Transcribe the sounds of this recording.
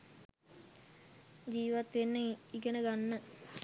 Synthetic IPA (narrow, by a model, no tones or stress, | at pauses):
d͡ʒiːʋat̪ʋenːəiɡənəɡanːə